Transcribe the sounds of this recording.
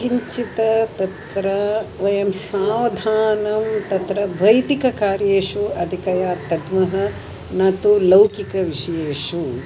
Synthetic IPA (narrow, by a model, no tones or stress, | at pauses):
ʃiɲt͡ʃit̪ɐt̪ɐt̪ɾɐʋɐjɐmsaːʋɐd̪ʱaːnɐmt̪ɐt̪ɾɐbʱɐjd̪ikɐkaːɾjeːʂuɐd̪ʱikɐjaːt̪ɐd̪mɐɦɐ | nɐt̪ulɐwkikɐʋiʂɐjeːʂu